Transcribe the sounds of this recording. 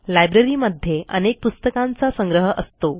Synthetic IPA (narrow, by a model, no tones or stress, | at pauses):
lajbɾeɾiməd̪ʱjeənek̚pust̪əkant͡sasəŋɡɾəɦəʔəst̪o